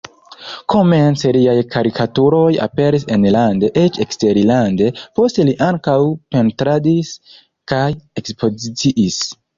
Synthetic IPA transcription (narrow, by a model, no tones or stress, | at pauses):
kʰo̞ment͡seliajkʰaɾikʰatuɾo̞ja̰pe̞ɾise̞nlande̞ʔet͡ʃekste̞ɾilande̞po̞ste̞liʔaŋkawpe̞ntɾadis | kaje̞kspʰo̞zit͡siʔis